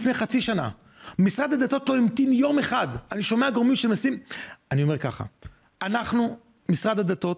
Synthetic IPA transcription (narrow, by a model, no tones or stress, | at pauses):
fnejχat͡siʃana̰ | misʁad̪ad̪at̪o̞t̪lo̞imt̪injo̞me̞χad̪aniʃo̞meaɡomimʃemasimanio̞me̞ʁka̰χa̰ | anaχnu | misʁad̪ad̪at̪o̞t